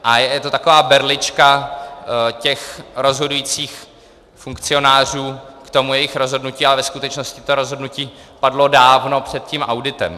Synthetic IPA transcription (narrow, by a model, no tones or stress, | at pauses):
ʔajɛjɛt̪o̞t̪akovaːbɛɾlɪt͡ʃka | cɛxɾo̞zɦo̞dujiːt͡siːx | fuŋkt͡sɪo̞naːr̝uːkt̪o̞mujɛjɪxɾo̞zɦo̞dnuciːalɛvɛskut̪ɛt͡ʃno̞scɪt̪o̞ɾo̞zɦodnuciːpadlo̞daːvno̞pr̝̥ɛt̪̚cimʔawdɪt̪ɛ̰m